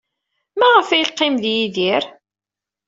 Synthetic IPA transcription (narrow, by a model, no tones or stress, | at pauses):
mæʁəfæjqːɪmðjiðiɾ